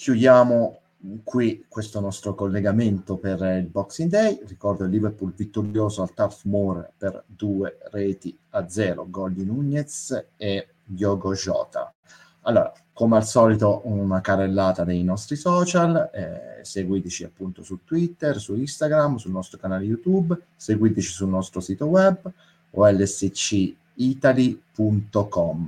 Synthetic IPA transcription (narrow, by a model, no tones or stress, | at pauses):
kʰjud̪jaːmo | kwikwest̪onɔst̪ɾokolːeɡament̪operilbɔksind̪ɛjrikɔrd̪oilːiveɾpulvit̪ːoɾjoːzoalt̪afmɔrperd̪uːerɛːt̪i | ad̪zɛːɾo̰ɡɔld̪inuɲːet̪se | jjɔːɡoʒɔ̰ːt̪a̰ | alːoːɾa̰ | komealsɔːlit̪ounakarelːaːt̪ad̪ejnɔst̪ɾisɔːt͡ʃalɛseɡwid̪it͡ʃia̰pːunt̪osut̪ːwit̪ːɛrsuist̪aɡɾamsulnɔst̪ɾokanaːlejut̪ub | seɡwid̪it͡ʃisunːɔst̪ɾosiːt̪owɛb | o̰ɛlːɛset͡ʃːi | it̪alipunt̪okɔm